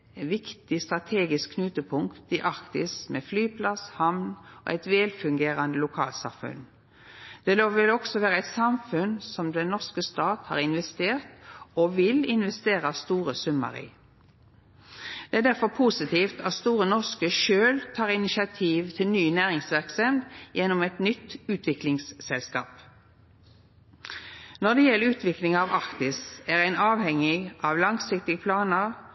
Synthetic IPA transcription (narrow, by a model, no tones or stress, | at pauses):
ʋɪkt̪ɪst̪ʁɑt̪ʰeːɡɪskʰːnʉːt̪əpʰʊŋkt̪ɪʔɑʁkt̪ɪsmɛflyːpʰlɑshɑmnɔ̰ʔæɪt̪ʋeːlfʉŋɡeːʁɑnd̪əlʊkʰɑ̰ːlt̪sɑ̰mfʉ̰n | d̪̥ɛloːʋɪlɔksɔʋæːʁəæɪt̪sɑmfʉnsɔmd̪ɛnnːɔʁskəst̪ɑːt̪hɑ̰ʁɪnʋɛst̪eːʁt̪ɔʋɪlɪnʋɛst̪eːʁɑst̪uːʁəsʉmːə̰ɾḭː | d̪̥ɛæːd̪æʁfɔʁpʰusɪt̪iːft̪ʰɑt̪st̪uːʁənɔʁskəʃøːlt̪ʰɑːʁɪnɪʃɑt̪ʰiːʋt̪ʰɪlnyːnæːʁɪŋsʋæʁksɛnd̪jɛnːʊmɛt̪nʏt̪ːʉːt̪ʋɪklɪŋsːɛlskɑ̰ːp | nɔd̪ɛjɛlːəʉːt̪ʰʋɪklɪŋɑʋɑkt̪ɪsæʁæɪnɑːʋhɛŋɪɑʋlɑŋsɪk̚t̪ɪɡəpʰlɑːnəʁ